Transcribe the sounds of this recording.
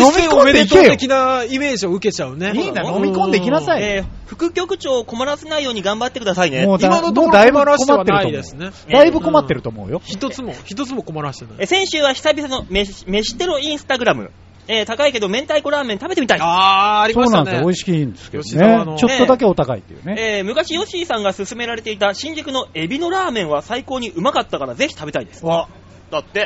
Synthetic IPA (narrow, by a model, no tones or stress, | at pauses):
nomʲkoneikeekʲinaime̞ːʑioɯ̟ket͡ɕaɯ̟neiːnd̪anomʲikõnd̪eiikʲinasaieɸɯ̟̥kɯ̟kʲo̞kɯ̟t͡ɕo̞ːko̞maɾase̞naijo̞ːɲ̟iɡãmbat̪ːe̞kɯd̪asainemod̪anomoːd̪aiibɯkomaːeɾɯt̪od̪esɨne | d̪aibɯ̟ko̞mat̪ːe̞ɾɯ̟t̪o̞mo̰ɯ̰jo̞çit̪ot͡sɨmoçi̥t̪ot͡sɨmokomaɾaɕt̪eesẽ̞ɰ̃ɕɨːβaçʲi̥sabʲisano̞meme̞ɕi̥t̪eɾoĩɰ̃sɨ̥t̪aɡɯ̟ɾamɯ̟̰ | et̪akaike̞d̪o̞mẽ̞nt̪aikoɾaːment̪abe̞t̪emʲit̪aiɾisoːnãnd̪sjooiɕi̥kʲĩːnd̪esɨ̥keonet͡ɕotːo̞d̪ak̬e̞o̞t̪akaḭt̪ːejɯ̰neemɯ̟kaɕijo̞ɕiːsãŋɡasɨsɨme̞ɾaɾe̞t̪e̞it̪aɕĩɲ̟d͡ʑikɯ̟no̞e̞bʲino̞ɾaːmẽ̞ɰ̃βasaiko̞ːɲ̟iʔɯ̟makat̪ːakaɾaze̞çi̥t̪abe̞t̪aid̪e̞̥sɨ̥ | d̪̥at̪ːe̞